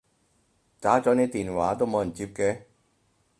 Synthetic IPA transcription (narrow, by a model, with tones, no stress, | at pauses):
t͡saː˨˥t͡sɔː˨˥nɛː˨˧t̪iː˨˩nwa̰ː˨˥t̪o˥wmo˨wjɐ˨˩nt͡siː˧p̚kɛː˧